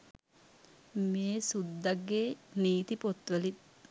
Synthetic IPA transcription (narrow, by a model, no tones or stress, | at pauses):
meːsud̪ːaɡːeːniːt̪ipot̪ʋəlit̪̚